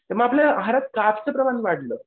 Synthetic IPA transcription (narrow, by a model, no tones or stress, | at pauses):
t̪eməaplaɦaɾat̪̚kaft͡səpɾəmaniʋaɽləː